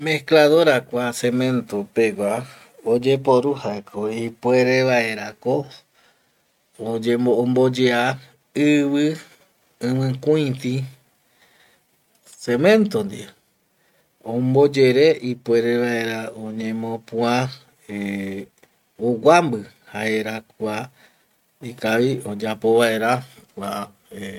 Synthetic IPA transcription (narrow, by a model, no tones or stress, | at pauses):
mehklaðoɾakʷasemẽ̞nt̪opeɡʷa | od͡ʒe̞poɾuhaekʰoipwe̞ɾeβae̞ɾako | od͡ʒembo̞d͡ʒea | ɨβɨ | ɨ̃mɨ̃kũĩt̪i | semẽnt̪ond̪i | õmbo̞d͡ʒe̞ɾe̞ʔipʷe̞ɾe̞βae̞ɾaõɲẽmõpũã | e | owambɨ | haeɾakʷa | ikaʋiod͡ʒapo̞βae̞ɾakʷa